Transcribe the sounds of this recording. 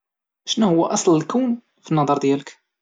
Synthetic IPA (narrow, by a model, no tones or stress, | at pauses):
ʃnuhʊwːæʔɑsˤllkæwn | finːɑd̪ˤɑɾˤd̪jælək